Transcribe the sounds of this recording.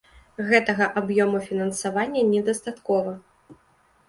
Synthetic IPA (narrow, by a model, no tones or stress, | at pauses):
ɣɛt̪ɐɣɐʔabjɔmufʲinɐnsavanʲːɐnʲɛd̪ɐst̪at̪kɔvɐ